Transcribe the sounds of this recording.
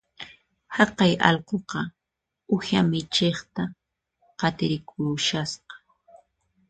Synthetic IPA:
hɑqɑjɑ̰lqoqɑ | ʊhamɪt͡ʃeχt̪a | qɑt̪ɪɾɪkʰʊːʃasqɑ̥

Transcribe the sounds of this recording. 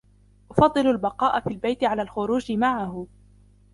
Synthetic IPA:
ʔʊfɑd̪ˤːɨlʊlbɑqɑːʔafiːlbajt̪ɪʕalaːlxʊɾuːd͡ʒɪmaʕahʊ

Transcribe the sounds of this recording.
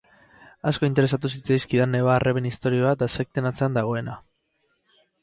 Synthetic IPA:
asko̞int̪e̞ɾe̞s̬at̪us̬it͡sajskiðanːeβarʔeβe̞nist̪o̞ɾioβat̪asek̚t̪e̞nat͡se̞and̪aɣ̞o̞e̞na

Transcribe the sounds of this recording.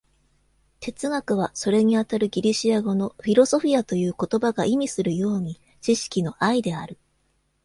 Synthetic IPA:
t̪e̞t͡sɨɡakɯ̟β̞aso̞ɾe̞ɲ̟iat̪aɾɯ̟ɡʲiɾʲiɕiaɡo̞no̞ɸʲiɾo̞so̞ɸʲiat̪o̞jɯ̟ːko̞t̪o̞baɡaʔimʲisɨɾɯ̟jo̞ːɲ̟i | t͡ɕiɕi̥kʲino̞ʔaid̪e̞aɾɯ̟

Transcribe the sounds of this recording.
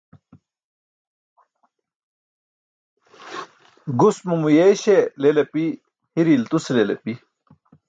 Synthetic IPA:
ɡusmumujeɕelelɐpi | hiɾilt̪uselelepi

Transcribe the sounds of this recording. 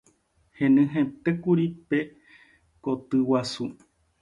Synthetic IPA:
hẽnɨ̃ɦẽt̪ekuɾipe | kot̪ɨwasu

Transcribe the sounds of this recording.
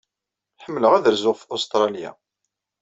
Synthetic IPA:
ħəmːləʁæðəɾzʊʁfost̪ɾˤɑlja̰

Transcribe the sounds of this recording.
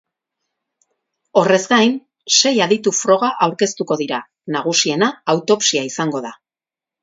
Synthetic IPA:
o̞re̞zɡajn | se̞jaðit̪ufɾo̞ɣ̞aʔawɾke̞st̪uko̞ðiɾa | naɣ̞usie̞naːwt̪o̞psiaisaŋɡo̞ða

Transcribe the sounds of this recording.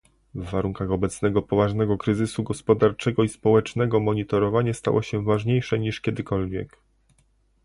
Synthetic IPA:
vːaɾuŋkaxɔbɛt̪snɛɡɔpɔvaʐnɛɡɔkɾɘzɘsuɡɔspɔd̪aɾt͡ʂɛɡɔispɔwɛt͡ʂnɛɡɔmɔɲit̪ɔɾɔvaɲast̪a̰wʔɔ̰ɕɛvaʐɲejʂɛɲiʂkʲɛd̪ɘkɔlvʲjɛ̰k

